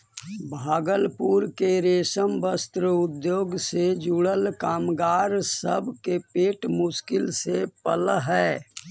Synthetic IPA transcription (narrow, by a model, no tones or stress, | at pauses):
bʱaːɡəlpuɾkeɾeːsəmbəst̪ɾəʊd̪joːɡsed͡ʒuːɽəlkaːmɡaːɾsəbʱkepeːʈmʊʃkɪlsepəlɦɛː